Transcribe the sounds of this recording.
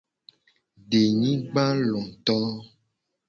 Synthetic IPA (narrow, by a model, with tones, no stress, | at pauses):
ɖe˨ɲĩ˦ɡ͡ba˦lɔ̃˨t̪ɔ˦